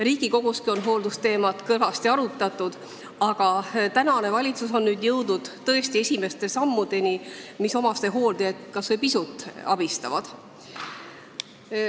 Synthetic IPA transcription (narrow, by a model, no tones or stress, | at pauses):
ɾiːɡ̥iko̞ɡ̥uskio̞nɦo̞ːld̪ust̪e̞ːmɑt̪kɤlvɑst̪iɑɾut̪ːˑɑt̪ːˑud̪̥ | ɑɡ̥ɑt̪ænɑne̞vɑlʲit̪suso̞nːyːd̪jɤwd̪ud̪̥t̪ːɤ̞e̞st̪ie̞sʲime̞st̪e̞sɑmːud̪̥e̞nimiso̞mɑst̪e̞ɦo̞ːld̪̥eet̪kɑsvepisut̪ːˑɑ̰b̥ist̪ɑvɑd̪̥